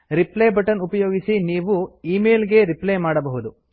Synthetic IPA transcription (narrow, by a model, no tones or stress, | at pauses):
ɾiplejbɐʈɐnupɐjo̞ːɡisiniːʋuiːmeːlɡe̞ɾiplejmaːɽɐbɐɦud̪u